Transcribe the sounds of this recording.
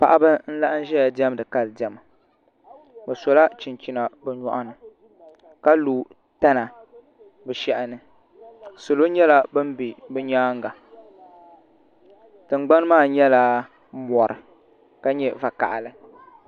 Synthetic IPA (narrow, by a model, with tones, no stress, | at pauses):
pa˨ʔa˦bɨ˦n̩˦la˦ʔa˦n̩˦ʒɛ˦ja˨dɛ˦m˦dɨ˨ka˦lɨ˨dɛ˨ma˨ | bɨ˨sɔ˨la˦t͡ʃi˨nt͡ʃi˦na˨bɨ˨ɲɔ̰˦ʔa˦nɨ˨ | ka˦luː˨ | ta˦na˨ | bɨ˨ʃɛ˦˨ʔɪ˨nɨ˨ | sʊ˨lo˦ɲɛ˦la˦bɨ˦m˦bi˨bɨ˦ɲaː˦ŋɡa˨ | tɨ˨ŋ͡mɡ͡ba˦n˦maː˦˨ɲɛ˦la˦ | mɔ˨ɾɨ˨ | ka˦ɲɛ˦va˨ka̰˨ʔa˨lɨ˦